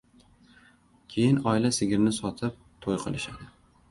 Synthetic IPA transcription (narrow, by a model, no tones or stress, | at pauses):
kʲʰejɪnɒɪlasɪɡʲɪɾnɪsɒt̪ʰɪp̚t̪ʰojqʰɨlˠɪʃad̪ɪ